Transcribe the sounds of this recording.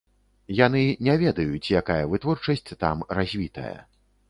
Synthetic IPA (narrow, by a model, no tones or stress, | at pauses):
janɨnʲɛvʲɛd̪ɐjut͡sʲjakajɐvɨt̪vɔrt͡ʂɐsʲt͡sʲt̪a̰mrazʲvʲit̪ɐ̰jɐ̰